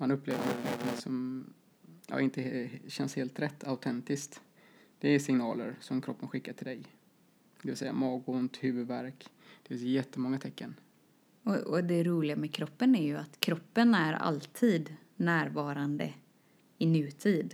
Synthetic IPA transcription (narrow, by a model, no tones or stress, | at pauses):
manɵpːleːvəna̰t̪nɔ̰nt̪ʰɪŋsɔm | ja̰ɪnt̪əɕɛnsheːlt̪ɾɛt̪ːaʊt̪ʰɛnt̪ɪskt̪ | d̪̥ɛsɪŋnɑ̰ːlə̰ɾsɔmkʰɾɔpːənɧɪkːaʈʰɪld̪ɛj | d̪̥ɛvɪlsɛjːa̰mɑːɡʊnt̪hʉ̟ːvɵd̪væɾkd̪̥ɛfɪnsjɛt̪ːəmɔŋːat̪ʰɛkːən | ɔɔd̪ɛɾuːlɪɡamɛkʰɾɔpːənæɾjɵat̪kʰɾɔpːənæɾa̰lt̪ʰiːd̪ | næːɾvɑːɾand̪ə | ɪnʉ̟ːt̪ʰiːd̪